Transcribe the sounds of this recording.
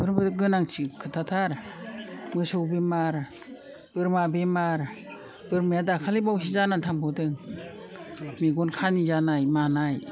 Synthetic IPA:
bɯɾbɯdɯɡɯnaŋt͡ʃʰikʰɯtʰatʰaɾ | mɯsɔwbemaɾ | b̥ɯɾmabemaɾ | bɯɾmɯjadakʰalibawsizanantʰaŋbɔdɯŋ | miɡɔnkʰanizanajmanaj

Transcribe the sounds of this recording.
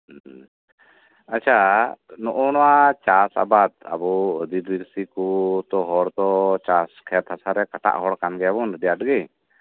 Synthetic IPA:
at͡ʃʰanɔʔɔnɔwat͡ʃasa̰bat̪̚a̰bɔd̪iɾbiɾsikut̪ɔɦɔɾt̪ɔt͡ʃaskʰɛt̪hasaɾɛkaʈa̰ʔɦɔɽkanɡɛabɔnɾɖɛjaʈɡɛ

